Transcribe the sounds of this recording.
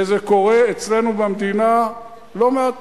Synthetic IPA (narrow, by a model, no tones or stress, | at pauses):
ezeko̞ʁe̞et͡sle̞nubamd̪ina | lo̞mea